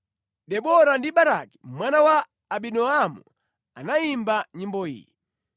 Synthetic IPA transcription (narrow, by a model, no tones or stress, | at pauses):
ɗɛɓɔɾandiɓaɾa̰ki̥mwanawaː | ɓinɔamṵ | anaimbaɲimbɔḭːjḭ